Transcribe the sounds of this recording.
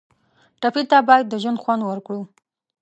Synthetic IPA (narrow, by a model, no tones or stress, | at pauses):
ʈapit̪abɑjad̪ːəʒwand̪xwand̪wəɾkɽu